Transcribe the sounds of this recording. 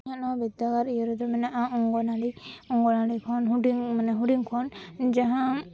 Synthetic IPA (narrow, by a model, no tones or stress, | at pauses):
ãnɔbid̪aɡaɾijɔɾud̪ɔmɛnaʔaɔ̃ŋɡɔnaɖiɔ̃ŋɡɔnaɽikʰɔnɦuɖiŋmanɛɦuɖiŋkʰɔnd͡ʒaɦã